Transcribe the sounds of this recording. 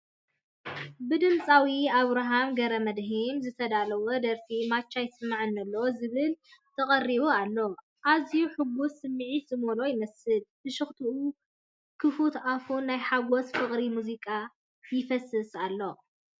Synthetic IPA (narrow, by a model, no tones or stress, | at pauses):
bɨd̪ɨmt͡sʼawiaβɾaɦamɡɐɾɐmɐd̪ɦimzɨt̪ʰɐd̪alɐwod̪ɐɾfimat͡ʃːajsɨmaʕɨnːɐlːɐzɨβɨlt̪ʰɐχʼɐrːiβoalːo̞ | ʔazijuħɨɡusɨmːʕizɨmolo̞jɪmɐsɨlbɨʃɨxt̪ʰuʔu | kʰɨfut̪afunːajħaɡosfɨχʼɾimuzikʼa | jɪfɐsɨsalːo̞